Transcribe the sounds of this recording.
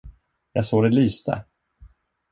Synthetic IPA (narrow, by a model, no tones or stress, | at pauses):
jɑ̰ɡsoːd̪ɛlyːst̪ʰə̰